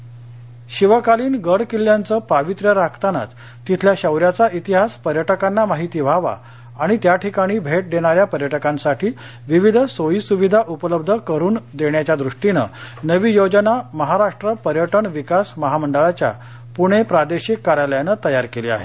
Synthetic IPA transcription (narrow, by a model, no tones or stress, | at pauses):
ɕiʋəkaliːnɡəɽkilːjant͡səːpaʋit̪ɾjəɾakʰt̪ana̰t͡s | t̪ːit̪ʰljaɕəwɾjat͡saʔit̪iɦaspəɾjəʈəkanːamaɦit̪iːʋʱaʋa̰ː | ɽ̃it̪jaʈʰikaɽ̃iːbʱeʈ̚d̪eɽ̃aɾjapəɾjəʈəkãnsaʈʰiː | ʋiʋid̪ʱsoiːsuʋid̪ʱaʔupələb̚d̪ʱəkəɾuːnd̪eɳjat͡ɕjad̪ɾuʂʈinə̰nəʋiːjod͡ʑənaməɦaɾaʂʈɾəpəɾjəʈəɳʋikasməɦaməɳɖəɭat͡ɕja̰ | puɽ̃epɾad̪eɕikːaɾələjanət̪əjaɾkelḭːa̰ɦḛ